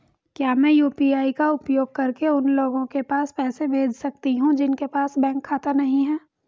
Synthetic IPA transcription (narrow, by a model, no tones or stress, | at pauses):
kjaːmɛ̃ːjuːpiaːikaʊpjoːɡ̚kɐɾkeʊnloːɡõkepaːspɛːsebʱeːd͡ʒsɐk̚t̪iɦũd͡ʒɪnkepaːsbɛ̃ːŋkʰːaːt̪anɐɦĩɦɛː